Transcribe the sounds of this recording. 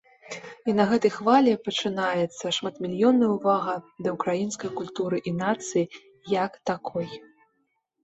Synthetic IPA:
inɐɣɛt̪ɐjxvalʲɛpɐt͡ʂɨnajɛt̪sːɐʂmat̪mʲilʲjɔnːɐjwvaɣɐd̪ɐukɾajinskɐjkulʲt̪uɾɨʔinat̪sɨji | jɐkt̪akʰɔj

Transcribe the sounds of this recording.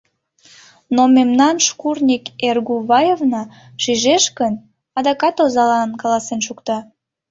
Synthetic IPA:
nomemnɑnʃkurnʲikerɣuβɑjevnɑ | ʃyʒeʃkən | ɑd̪ɑkɑt̪ozɑlɑnkɑlɑsenʃukt̪ɑ

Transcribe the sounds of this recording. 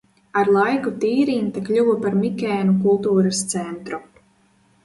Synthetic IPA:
aɾlˠajkut̪iːɾiːnt̪aklʲuwɐpaɾmikʲɛːnukulˠt̪uːɾast̪sɛnt̪ɾu

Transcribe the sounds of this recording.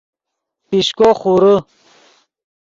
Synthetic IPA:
piɕkoχuɾə

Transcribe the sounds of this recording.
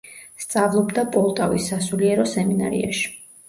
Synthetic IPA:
st̪sʼavlˠɔbd̪apʼɔlˠt̪ʼavisːasuliɛɾɔsɛmina̰ɾḭa̰ʃi̥

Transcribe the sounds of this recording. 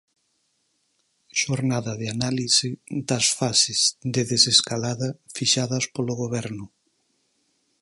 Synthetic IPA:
ʃoɾnaðɐðeanalisɪd̪ɐsfasɪzd̪eðeseskalaðɐfiʃaðɐspoloɣoβɛɾnʊ

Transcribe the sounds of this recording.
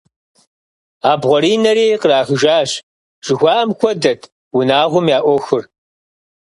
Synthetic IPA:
aːbʁʷɔɾiːnɐɾeːqəraːxɨʒaːɕ | ʒ̥ɪxʷɑːʔɐmxʷɔdɐtʰ | wʊnaːʁʷʊmjaːʔʷɔxɨr

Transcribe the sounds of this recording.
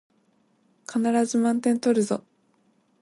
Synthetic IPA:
kʰanaɾazɨmãnt̪ẽ̞nt̪o̞ɾɯ̟zo̰

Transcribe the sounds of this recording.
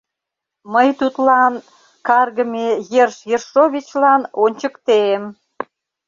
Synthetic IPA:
məjt̪ut̪lɑn | kɑrɣəmejerʃjerʃoβʲit͡ɕlɑnonʲt͡ɕəkt̪em

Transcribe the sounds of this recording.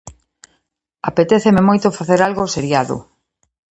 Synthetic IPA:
apet̪eθememojt̪ʊfaθeɾalɣoseɾjaðʊ̰

